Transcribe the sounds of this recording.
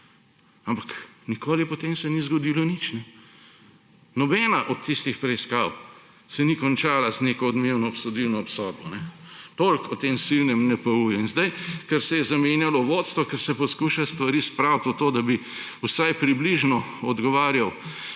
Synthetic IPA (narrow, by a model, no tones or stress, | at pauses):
ampaknikoːlipɔt̪eːmsɛnizɡɔd̪ilɔnit͡ʃnɛ | nɔbɛnaʔɔt̪t̪ːist̪ixpɾɛiskaːw | sɛnikɔnt͡ʃaːlazneːkɔːd̪mewnɔːpsɔd̪iwnɔɔpsɔd̪̚bɔnɛt̪olkɔt̪emsilnɛmnɛpɐujɔinzd̪ajkɛɾsɛjɛzamenjalɔʋot̪st̪ʋɔkɛɾsɛpɔskuʃast̪ʋɐɾispɾawt̪ot̪oːd̪abi | usajpɾibliʒnɔɔd̪ɡɔʋaːɾjaw